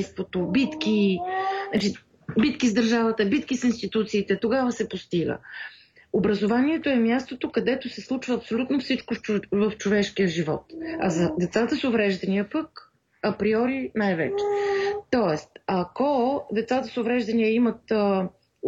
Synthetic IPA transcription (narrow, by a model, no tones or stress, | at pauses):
st̪vot̪obit̪ki | at͡ʃi | bit̪kizd̪əɾʒavət̪əbit̪kisinst̪it̪ut̪siːt̪ɛt̪oɡavəsɛpost̪iɡə̰ | obɾəzovaniɛt̪oɛmjast̪ot̪okɐd̪ɛt̪osɛslˠut͡ʃvəːpsolʲut̪nofsit͡ʃkovəft͡ʃovɛʃk̟ijəʒivɔ̰t̪ɐ̰zɐd̪ɛt̪sat̪əsʊvɾɛʒd̪ɐniəpək | ɐpɾiɔɾinajvɛ̰t͡ʃɛ̥t̪ɔɛst̪ɐkod̪ɛt̪sat̪əsovɾɛʒd̪ɐnijəimət̪